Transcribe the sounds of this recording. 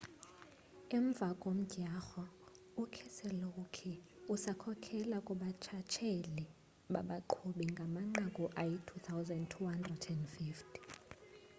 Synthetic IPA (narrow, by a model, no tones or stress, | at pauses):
ɛɱb̪vʱakʼom̩ɟ̥ʱaxɔ | ukʰɛsɛlokʰɛ | usakʰɔkʰɛlakʼuɓat͡ʃʰat͡ʃʰeli | ɓaɓaǃʰuɓiŋɡʱamaŋ͡ǃakʼuʔajitʰut̪ʰawzandtʰːuhandrɛdɛndfiftʰi̥